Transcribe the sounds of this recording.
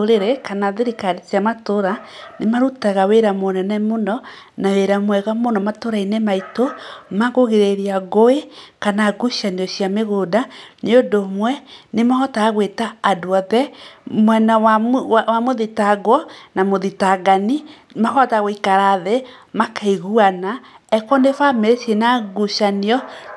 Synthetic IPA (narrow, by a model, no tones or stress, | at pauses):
ɾeɾekanaðeɾikaɾetiamatoɾanemaɾutaɣaweɾamonɛnɛmonɔ | naweɾamwɛɣamonɔmatoɾainɛmaitomaɣoɣeɾeɾiaɣoekanaɡuʃaneoʃiameɣodaneodomwɛnemahɔtaːɣwetaːdoɔðɛmwɛnawawamoðitaɡwɔnamoðitaɡani | mahɔtaɣoikaɾaðɛ | makaiɣuana | ɛkɔnefameɾesenaɡuʃaneɔ